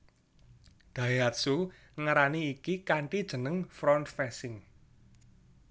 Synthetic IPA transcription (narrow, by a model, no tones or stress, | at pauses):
d̪̥a̤iɦat̪̚su | ŋaɾaniːkikaɳʈid̥ʒ̥ə̤nəŋfɾɔnt̪fɛsɪŋ